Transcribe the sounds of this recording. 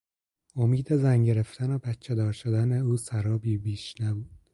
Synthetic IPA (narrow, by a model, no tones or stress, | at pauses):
o̞miːd̪ezæŋɟe̞ɾe̞ft̪ʰænobæt̪t͡ʃʰːed̪ɒːɾʃod̪æneuːsæɾɒːbiːbiːʃnæbuːd̪̥